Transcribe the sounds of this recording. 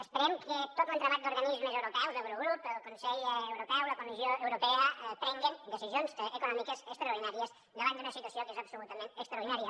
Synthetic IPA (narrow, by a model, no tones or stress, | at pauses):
əspəɾɛmkʰət̪ot̪lənt̪ɾəβat̪̚d̪uɾɣənizməzəwɾupɛwzðəwɾoɣɾupəlˠkunsɛʎəwɾupɛwləkumizjoəwɾupɛəpɾɛŋɡind̪əsizionzəkunɔmikəzəkst̪ɾəuɾðinaɾiəz | d̪əβand̪unəsit̪wəsiokezəpsulut̪əment̪əkst̪ɾaəɾðinaɾiə